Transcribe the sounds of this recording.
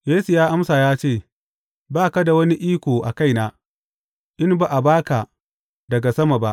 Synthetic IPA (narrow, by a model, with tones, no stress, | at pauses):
jeː˦su˨jaː˦ʔa˦msaː˨jaː˦t͡ʃeː˦˨ | baː˦˨ka˦da˨wɐ˦ni˦ʔiː˦kʷoː˨ʔa̰˨ka˦˨jnaː˦ | ʔɪ˦mba˨ʔa˨baː˦ka˨ | dɐ˨ɡa˨sɐ˦ma˨ba˦ʔ